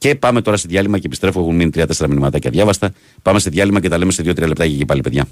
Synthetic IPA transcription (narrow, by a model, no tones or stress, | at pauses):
ce̞pɐme̞t̪o̞ɾɐseðjɐlimɐcepist̪ɾe̞fuexunminit̪ɾiɐt̪ese̞ɾɐminimɐt̪ɐcɐðʝɐvɐst̪ɐ | pɐme̞se̞ðʝɐlimɐce̞t̪ɐle̞mese̞ðiot̪ɾiɐlep̚t̪ɐcecepɐlipe̞ðʝɐ̰